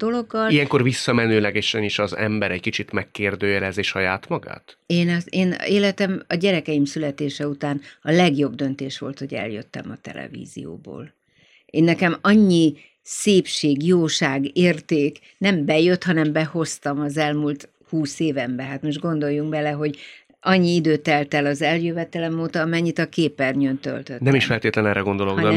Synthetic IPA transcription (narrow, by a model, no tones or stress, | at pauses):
d̪̥o̞lo̞ɡːɒlijɛŋko̞rvisːɒmɛnøːlɛɡɛʃɛniʃɒzɛ̰mbɛɾɛckit͡ʃit̪mɛkːeːrd̪øːjɛlɛzeːʃhɒjaːt̪mɒɡa̰ːt̪eːnɒzeːneːlɛt̪ɛmɒɟɛɾɛkɛjimsylɛt̪eːʃɛut̪aːnɒlɛɡjo̞bd̪ø̞nt̪eːʃʋo̞̰lt̪ho̞ɟɛ̰ljøt̪ːɛ̰mɒt̪ɛ̰lʔɛ̰vḭːzḭjo̰ːbo̰ːl | ʔeːnːɛkɛmɒɲːi | seːpʃeːɡjoːʃaːɡeːrt̪eːk | nɛmbɛjøt̪hɒnɛmbɛho̞st̪ɒmɒzɛlmult̪ | huːseːvɛmbɛɦaːt̪moʒɡo̞nd̪o̞jːuŋɡbɛlɛɦo̞ɟ | ʔɒɲːiid̪øːt̪ɛlt̪ɛlɒzɛljøvɛt̪ɛlɛmoːt̪ɒɒmɛɲːit̪ɒkeːpɛrɲønt̪ø̰lt̪øt̪nɛmiʃfɛlt̪eːt̪lɛnɛɾɛɡo̞nd̪o̞loɒn